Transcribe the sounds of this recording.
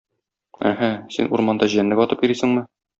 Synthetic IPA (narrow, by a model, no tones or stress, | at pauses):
æ̰ɦæsḭnuɾmɑnd̪ɑʑĭjænːɘɡɒt̪ɤpjiɾisɘ̆ŋmɘ